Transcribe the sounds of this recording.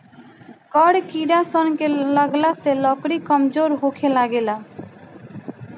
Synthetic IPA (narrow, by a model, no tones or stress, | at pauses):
kɔɽkiːɾasɔnkeləɡlaselɔːkɽiːkəmzoːɾɦoːkʰelaːɡeːlaː